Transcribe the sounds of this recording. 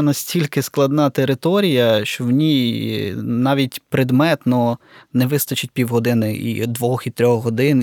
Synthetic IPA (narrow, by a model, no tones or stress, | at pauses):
nɐsʲtʲilʲkɪsklˠɐd̪nɑt̪eɾɪt̪ɔɾʲijɐʃt͡ʃɔwnʲi | nɑʋʲitʲpɾed̪mɛt̪nɔnɛʋɪst̪ɐt͡ʃɪt̚ʲpʲiwɦɔd̪ɪnɪʔḭd̪ʋɔxit̪ɾʲɔxɦɔd̪ɪn